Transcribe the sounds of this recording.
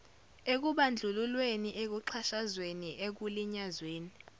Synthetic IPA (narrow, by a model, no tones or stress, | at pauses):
ek̬uɓand͡ɮʱululweniʔek̬uǃʰaʃazweniʔek̬uliɲazweːni